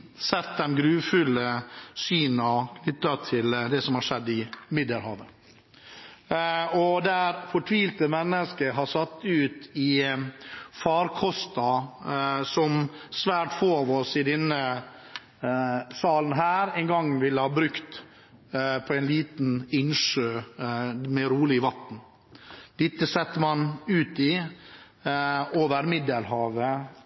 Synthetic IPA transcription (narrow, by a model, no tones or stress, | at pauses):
sɛt̪̚d̪ɛmɡɾʉːfʉləsyːnɑlʏt̪ːɾɑt̪ʰɪld̪ɛsɔmhɑɾʂɛd̪ːɪmɪd̪əɾhɑːʋə | ɔd̪æːɾfɔʈʰʋiːlt̪əmɛnːəskəɦɑsɑt̪ːʉːt̪ɪ | fɑːɾkʰɔst̪ɑ | sɔmsʋæːʈfoːɑʋɔsɪd̪ɛnːə | sɑːln̩ɦæːɾɛnɡɑŋːʋɪlːəhɑːbɾʉkt̪ | pʰɔɛɪnliːt̪nɪnʂøː | mɛɾuːlɪʋɑt̪n̩ | d̪̥ɪt̪ːəsɛt̪ːəmɑnʉːt̪ɪ | oːʋəɾmɪd̪əlhɑːʋə